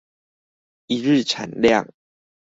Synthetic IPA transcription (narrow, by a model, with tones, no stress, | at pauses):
i˨˧ɻɨ˥˨t͡sʰa̰˨˩nlja̰˥˨ŋ